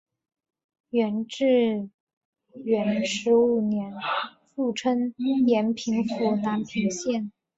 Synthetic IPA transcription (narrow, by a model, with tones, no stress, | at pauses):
ɥɛ˧˥nʈ͡ʂɻ̩˥˩ | ɥɛ˧˥nʂɻ̩˧˥u˨˩njɛ˧˥n | fu˥˩ʈ͡ʂʰə˥ŋjɛ˧˥npʰi˧˥ŋfu˨˩na˧˥npʰi˧˥ŋɕjɛ˥˩n